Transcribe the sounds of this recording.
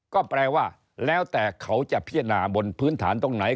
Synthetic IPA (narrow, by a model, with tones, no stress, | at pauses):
kɔː˥˩pɾɛː˧waː˥˩ | lɛː˦˥wt̪ɛː˨˩kʰa˦˥wt͡ɕa˨˩ʔpʰi˥˩ənaː˨˩bo˧npʰɯː˦˥nt̪ʰaː˩˦nt̪o˧ŋna˩˦j